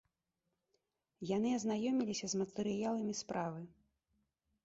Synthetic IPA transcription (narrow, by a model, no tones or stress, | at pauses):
janɨɐznajɔmʲilʲisʲɐzmɐt̪ɛɾɨjalˠɐmʲispɾʔavɨ